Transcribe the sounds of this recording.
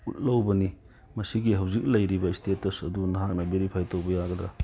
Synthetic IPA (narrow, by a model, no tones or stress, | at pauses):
ut̚lɐwbɐni | mɐsiɡiɦɐwzik̚lɐjɾibɐistetɐsɐdunɐɦak̚nɐbeɾipʰajtʰowbɐjaɡɐdɾa